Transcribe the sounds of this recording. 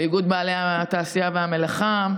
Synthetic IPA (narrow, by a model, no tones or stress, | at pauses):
iɡud̪̚baːlejhat̪aːsijaveamelaχa